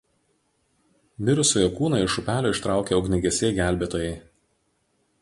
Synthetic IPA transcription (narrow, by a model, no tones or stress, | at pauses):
ʋʲɪɾʊsoːjokuːnɑɪʃʊpʲæːlʲoːɪʃt̪ɾɑˑʊkʲeɔʊɡʲnʲɪɡʲɛsʲeɡʲæˑlʲbʲeːt̪oːjɛɪ